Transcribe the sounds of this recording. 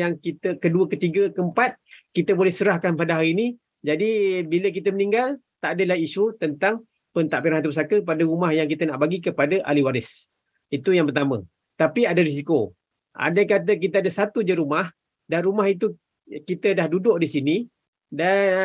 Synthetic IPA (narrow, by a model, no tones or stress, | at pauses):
jaŋkit̪əkəduəkət̪iɡəkəəmpat̪̚kit̪əbolɛhsəɾahkanpadaɦaɾiːni | d͡ʒadibilək̬it̪əmənĩŋɡal | t̪aʔadəlahiʃut̪ənt̪aŋ | pənt̪aʔpiɾanɦat̪upəsakəpadaɾumahjaŋkit̪ənaʔbaɡikəpadəʔa̰liwaɾɪs | it̪ujaŋpərt̪amə̰̃ | t̪apiadaɾis̬iko | ʔa̰dakat̪̬ək̬it̪əadəsat̪ud͡ʒəɾumah | danɾumaɦit̪̬u | kit̪ədahdudʊʔdisini | da